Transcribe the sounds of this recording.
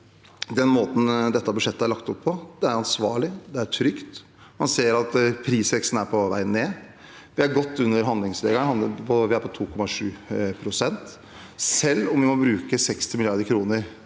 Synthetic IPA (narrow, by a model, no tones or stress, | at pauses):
d̪ɛnmoːt̪n̩d̪ɛt̪ːɑbʉʂɛt̪ːəæɾɭɑkt̪ɔpʰːɔd̪̥ɛæɾɑnsʋɑːɭɪd̪ɛæʈʰɾʏkt̪ | mɑnseːəɾɑt̪pʰɾiːsʋɛkst̪n̩æɾpʰɔʋæ̰ɪənːeː | ʋɪæɾɡɔt̪ːʉnːəɾɦɑnlɪŋslḛːɡɑəhɑnd̪əpʰɔʋɪæɾpʰɔt̪ʰuːkʰɔmɑʂʉːpʰɾʊsɛnt̪ | sɛlːɔmʋɪmɔbɾʉːkəsɛkst̪ɪmɪlɪɑɾd̪əɾkʰɾuːnəɾ